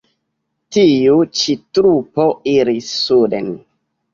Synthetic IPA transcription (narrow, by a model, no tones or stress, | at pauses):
tijut͡ʃitɾupoiɾisːudḛn